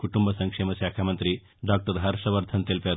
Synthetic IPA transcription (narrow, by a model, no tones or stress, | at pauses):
kuʈumbɐsɐŋkʂemɐʃaːkʰamɐnt̪ɾi | ɖaːk̚ʈɐɾɦɐɾʂɐʋɐɾd̪ʱɐnt̪elpjaːɾ